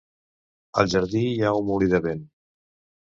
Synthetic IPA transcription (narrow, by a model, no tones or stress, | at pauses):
ə̰lˠʒəɾðijaumuliðəβen